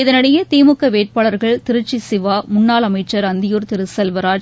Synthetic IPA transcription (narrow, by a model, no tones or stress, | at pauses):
ɪðɐnɐɽɐjɐt̪iːmɯkːɐʋeːʈ̚paːɭɐɾɣɐɭt̪ɪɾɯt͡ʃːisɪʋaːmʊnːaːlɐmɐɪt͡ʃːɐɾɐnd̪ɪjoːɾt̪ɪɾɯsɛlʋɐɾaːd͡ʒ